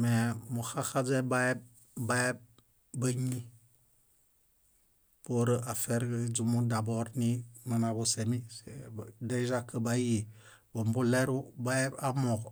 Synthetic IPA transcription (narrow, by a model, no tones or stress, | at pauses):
memuxaxad͡ʒebae | bae | bəɲːi | poɾəafeɾd͡ʒumudaboɾnimənabusemisedeʒakːəbaji | bombuleɾubaebamoɡ